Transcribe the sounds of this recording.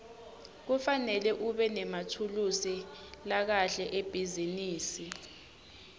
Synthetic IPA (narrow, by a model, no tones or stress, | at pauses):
k̬ufanɛlɛʔuɓɛnɛmatʰulusilak̬aɬɛʔeb̥ʱiziniːsi